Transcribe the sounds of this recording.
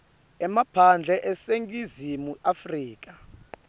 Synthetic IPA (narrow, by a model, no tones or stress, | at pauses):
ɛmapʰand͡ɮʱɛʔɛseŋkʼizimuʔafriːk̬ʼa